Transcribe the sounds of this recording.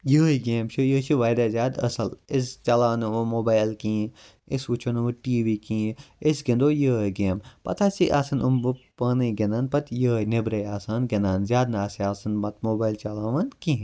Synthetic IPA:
jəːiɡeːmt͡ʃʰujəːt͡ʃʰiʋaːjd̪aːzʲjaːd̪ɐ̰sɐlist͡ʃɐlaːnɨʋomoːbaːjlkĩː | ɪsʋut͡ʃʰonɨʋuʈiːʋiːkĩːɪsɡɐ̃nd̪oːjəːjɡeːmpɐ̰t̪ʰaːsiʔaːsɐnumbɨpaːniɡʲenaːnpɐt̪jəːjnebɾɐjaːsaːnɡenaːnzjaːd̪naːsiaːsɐnmɐt̪moːbaːjlt͡ʃɐlaːʋɐnkĩ

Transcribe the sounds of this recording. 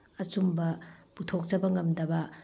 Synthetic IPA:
ɐt͡ʃumbɐb̥utʰok̚t͡ʃɐbɐŋɐmdɐbɐ

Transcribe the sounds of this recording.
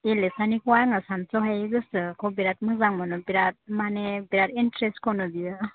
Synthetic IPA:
elesanikwaɾŋasansɔɦajɡɯsɯkʰobiɾat̚mazaŋmɯnobiɾat̚manebiɾatintɾestkʰonobiɯ

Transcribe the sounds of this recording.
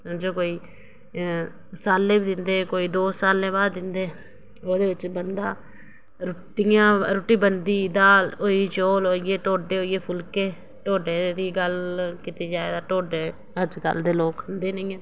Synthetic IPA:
səmd͡ʒõːkoːiː | saːlːẽːbiːd̪ɪnd̪eːkoːiːd̪oːsaːlẽːbaːd̪ːɪnd̪eː | oːd̪eːʋɪt͡ʃbənd̪aː | ɾʊʈɪjãːɾoʈiːbənd̪iːd̪aːoːiːt͡ʃoːloːɪeːʈoːɖeːoːɪjeːpʰʊlkeː | ʈoːɖeːd̪iːɡəlkɪt̪iːd͡ʒaːeːd̪aːʈoːɖeː | əd͡ʒkə̰ld̪eːloːkənd̪eːnəiːɛ̃ː

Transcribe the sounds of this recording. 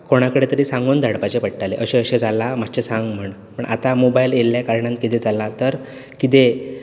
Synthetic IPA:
koɽ̃akəɽet̪əɾiːsãŋɡund̪ʱaɽpat͡ɕepəɽʈaleʔəɕẽəɕed͡zalːamat͡ɕesãŋɡm̤əɳ | pəɳʔa̰t̪amobajljelːjakaɾɳãnt̪̚kit̪ed͡zalat̪əɾ | kit̪e

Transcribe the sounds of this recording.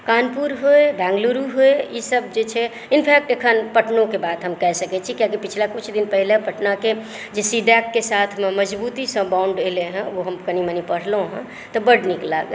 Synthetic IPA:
kanpuɾɦoebɛ̃ŋɡluɾuɦoeisəb̚d͡ʒet͡ʃʰɛ | inpʰɛk̚ʈekʰənpəʈnokebad̪ɦəmkɛɦsəkɛt͡ʃʰikjãk̬ipit͡ʃʰlakut͡ʃʰd̪inpəɦilepəʈnake | d͡ʒesiɖakːesat̪ʰmeməd͡ʒbut̪isə̃bãʊɳɖeleɦə̃oɦəmkəñimenipəɽ̤lõɦə̰̃ | t̪ɔbəɖnikla̰ɡəl

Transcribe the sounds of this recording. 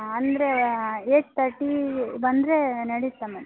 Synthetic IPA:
ɐnd̪ɾeeːʈ̚t̪ʰɐɾʈːibɐnd̪ɾenɐɽit̪ːɐmɐn

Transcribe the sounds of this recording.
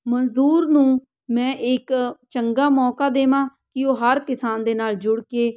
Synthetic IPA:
mənzd̪uːɾnũː | mɛ̃ːʔɪkt͡ʃəŋɡaːmɔːkaːd̪eːmãːkɪoːɦəɾkɪsaːnd̪eːnaːld͡ʒʊɽkeː

